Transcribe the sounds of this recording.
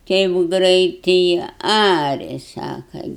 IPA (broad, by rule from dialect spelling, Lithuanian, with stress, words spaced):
ˈtʲɛɪp ˈɡrʲɛɪtɨɪ ˈɑːrʲɛ ˈsɑːkɐ